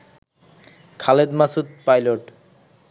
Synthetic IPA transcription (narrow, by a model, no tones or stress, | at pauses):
kʰaled̪masud̪̚pajloʈ